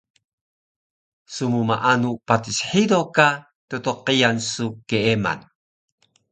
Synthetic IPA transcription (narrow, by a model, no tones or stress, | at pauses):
sumumaʔanupatisħidoka | totoqijansukeema̰n